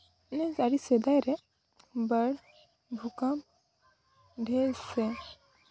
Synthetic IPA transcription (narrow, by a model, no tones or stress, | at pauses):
nɛzaɽisɛd̪ajɾɛ | bəɽ | bʱukam | ɖʱɛsɛ